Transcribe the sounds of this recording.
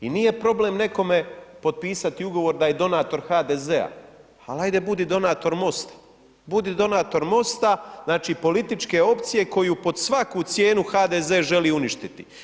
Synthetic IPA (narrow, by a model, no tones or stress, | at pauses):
inije̞pɾo̞ble̞mne̞ko̞me̞po̞d̪̚piːsat̪iuɡo̞ʋo̞ɾd̪aje̞d̪o̞naːt̪o̞ɾxaːd̪eːze̞a̰ | alajd̪e̞bud̪id̪o̞naːt̪o̞ɾmo̞st̪ḁ | bud̪id̪o̞naːt̪o̞ɾmo̞st̪aznaːt͡ʃiːpo̞lit̪it͡ʃke̞o̞pt̪sije̞ko̞jupo̞d̪sʋakut̪sje̞ːnuxaːd̪eze̞ːʒe̞liːuniʃt̪it̪ḭ